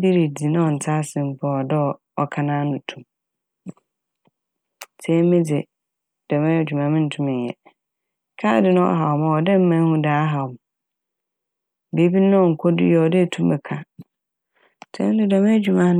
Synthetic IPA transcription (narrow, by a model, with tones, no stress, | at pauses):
bi˦ɾi˨di˨nʊ̃˦ɔ˨n̩˨tʰaː˦sɪ̃˨m̩˦pʰɔ˦˨ɔ˨dɛ˦ɔ˨ | ɔ˨kʰa˦nãː˦nʊ̃˨tʰũ˨m | tʰɛ̃˦mɪ̃˦d͡zɪ˨ | d̥ɔ˨mɛ̃˦˨d͡ʑᶣu˨mã˨mɪ̃˦n̩˨tʰũ˦mɪ̃˨njɛ̰˨˦ | kʰaː˦dɪ˦nʊ̃˦ɔ̰˦ɦa˨ɔ˨ma˨ɔ˨dɛ˦m̩˦mã˦hũ˦daː˨˦ɦa˨ɔ˨m | be˨˦bi˦nʊ̃˦ɔ˨ŋ̩˨kʰɔ˦dɪ̰˦jɔ˨ɔ˨dɛ˦˨tʰũ˦mɛ˨kʰa˨ | tʰɛ̰̃˦dɪ˨dɔ˨mɛ̃˦d͡ʑu˨mã˦